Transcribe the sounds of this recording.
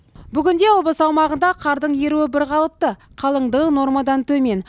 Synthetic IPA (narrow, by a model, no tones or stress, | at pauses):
bʏɡʲɪnd̪e̞wobəsəɑwmɑʁənd̪ɑqʰɑɾd̪əɴje̞ɾuwɪbɪɾqʰɑlˠəp̚t̪ə | qʰɑlˠəɴd̪əʁəno̞ɾmɑd̪ɑnt̪ʰɵme̞n